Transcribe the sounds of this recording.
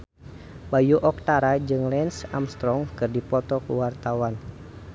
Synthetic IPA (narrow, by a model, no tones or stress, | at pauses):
bajuʔɔk̚t̪aɾad͡ʒɨŋlɛnsamst̪ɾɔŋkɨrdipɔt̪ɔkuwart̪awan